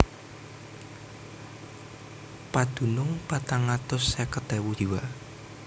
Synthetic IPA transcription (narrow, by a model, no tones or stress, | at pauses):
pad̪̥ṳnʊŋpat̪aŋat̪ʊsːɛkət̪ɛwud̪̥iwa